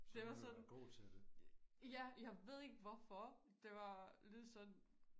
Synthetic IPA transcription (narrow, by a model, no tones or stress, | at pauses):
d̥eʋɑ̈sɒ̽nɡ̥o̰ːt͡sʰed̥ejæjɑ̈ɪʋe̝ð̞̰ˠe̝ɡ̥ʋɒfɒ̽ | d̥e̝ʋɑ̈led̥ˠsɒ̽n